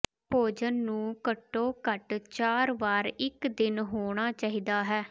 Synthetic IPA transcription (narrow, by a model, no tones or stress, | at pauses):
poːd͡ʒənːũːkəʈːoːkəʈt͡ʃaːɾʋaːɾɪkd̪ɪnɦoːɽ̃aːt͡ʃaːɦiːd̪aːɦɛː